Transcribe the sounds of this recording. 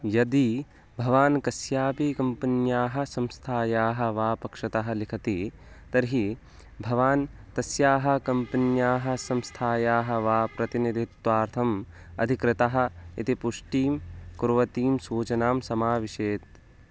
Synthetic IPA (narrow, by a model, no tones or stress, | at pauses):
jɐd̪i | bʱɐʋaːnkɐsjaːpiːkɐmpɐnjaːɦɐ̆sɐ̃mst̪ʰaːjaːɦɐ̆ʋaːpɐkʂɐt̪ɐɦɐ̆likʰɐt̪i | t̪ɐɾɦi | bʱɐʋaːnt̪ɐsjaːɦɐ̆kɐmpɐnjaːɦɐ̆sɐ̃mst̪ʰaːjaːɦɐ̆ʋaːpɾɐt̪inid̪ʱit̪ʋaːɾt̪ʰɐm | ɐ̰d̪ʱikɾɪt̪ɐɦɐ̆it̪ipuʂʈiːmkuɾʋɐt̪iːmsuːt͡ʃɐnaːmsɐmaːʋiʃeːt̪̚